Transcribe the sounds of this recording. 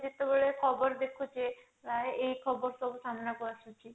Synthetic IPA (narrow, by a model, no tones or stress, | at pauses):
d͡ʒet̪ebeɭekʰɔbɔɾd̪ekʰut͡ʃe | ɾaeejkʰɔbɔɾsɔbusamnakɔɾasut͡ʃʰi